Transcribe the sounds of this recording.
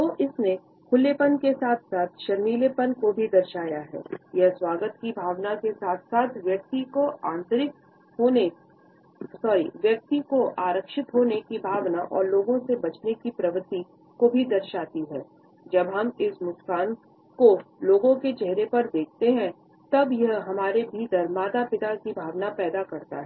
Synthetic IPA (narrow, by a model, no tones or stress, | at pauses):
oːʔɪsne | kʰʊlːepənkesaːt̪ʰsaːt̪ʰʃɐɾmiːlepənkobʱid̪ɐɾʃaːjaɦɛ̰ːjɛɦswaːɡət̪kibʱaːʋnakesaːt̪ʰsaːt̪ʰʋjɐk̚t̪ikoãːnt̪ɾɪk̚ | ɦoːne | sɔːɾḭʋjɐk̚t̪ikoʔaːɾəkʃɪt̪ɦoːnekibʱaːʋnaʔɔ̰ːɾloːɡõsebɐt͡ʃnekipɾɐʋət̪i | kobʱid̪ɐɾʃaːt̪iɦɛː | d͡ʒɐbɦɐmɪsmʊskaːn | koloːɡõket͡ʃɛɦɾepɐɾd̪eːk̚ʰt̪eɦɛ̃ | t̪ɐbjɐɦɦɐmaːɾebʱiːd̪əɾmaːt̪apɪt̪akibʱaːʋnapɛːd̪akɐɾt̪a̰ɦɛː